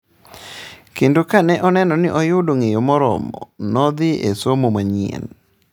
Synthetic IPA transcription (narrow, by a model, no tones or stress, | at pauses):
kendokanɛʔɔnɛnɔnɪʔɔjʊdoŋejomɔɾɔ̰mɔ̰nɔd̪ɪḛsomomaɲɛ̰n